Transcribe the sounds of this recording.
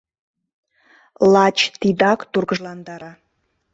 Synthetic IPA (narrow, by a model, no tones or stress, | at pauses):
lɑt͡ɕt̪id̪ɑkt̪urɣəʒlɑnd̪ɑɾɑ